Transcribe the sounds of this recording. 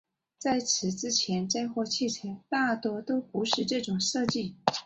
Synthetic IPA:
t͡sa˥˩ɪt͡sʰɻ̩˧˥t͡sɻ̩˥t͡ɕʰjɛ˧˥nʈ͡ʂa˥ɪxwɔ˥˧t͡ɕʰi˥˩ʈ͡ʂʰa˧˥t̪a˥˩t̪wɔ˥t̪o˥ʊpu˧˥ʂɻ̩˥˧ʈ͡ʂɤ˥˩ʈ͡ʂʊ˨˩ŋʂɤ˥˧t͡ɕi˥˩

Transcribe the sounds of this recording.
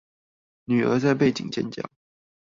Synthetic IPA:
ny˨˩ə̰˞˧˥t͡sa˥˧ɪp̬e˥˩ɪt͡ɕḭ˨˩ŋt͡ɕjɛ̰˥˧nt͡ɕjɑ̰˥˩ʊ

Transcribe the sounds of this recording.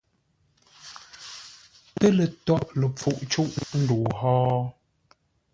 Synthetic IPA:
tə˦lə˨tɔ˦˨ʔlə˨p͡fu˨ʔt͡ʃu˦ʔn̩˦du˨hɔː˦

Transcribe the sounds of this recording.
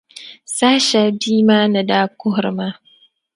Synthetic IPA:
saː˦ʃa˨biː˦maː˦na˨daː˦kʊ˦hɾma˦

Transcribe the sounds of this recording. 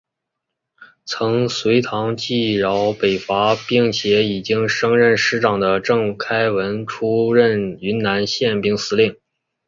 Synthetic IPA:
t͡sʰɤ˧˥ŋswe˧˥ɪt̪ʰɑ˧˥ŋt͡ɕi˥˩ɻɑ˧˥ʊpe˨˩ɪfa˧˥pi˥ŋɕʰjɛ˧˥i˨˩t͡ɕi˥ŋʂɤ˥ŋɻə˥˩nʂɻ̩˥ʈ͡ʂɑ˨˩ŋd̪ə˦ʈ͡ʂɤ˥˩ŋkʰa˥ɪwə˧˥nʈ͡ʂʰu˥ɻə˥˩ny˧˥nna˧˥nɕjɛ˥˩npi˥ŋsɹ̩˥li˥˩ŋ

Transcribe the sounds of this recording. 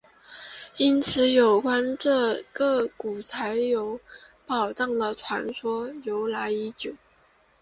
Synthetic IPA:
i˥nt͡sʰɹ̩˧˥jo˨˩ʊkwa˥nʈ͡ʂɤ˥˧ɡɤ˥˩ku˨˩t͡sʰa˧˥ɪjo˧˥ʊpɑ˨˩ʊʈ͡ʂɑ˥˩ŋd̪ə˨˩ʈ͡ʂʰwa̰˧˥nswɔ˥jo˧˥ʊla˧˥ɪi˧˥t͡ɕjo˨˩˦ʊ

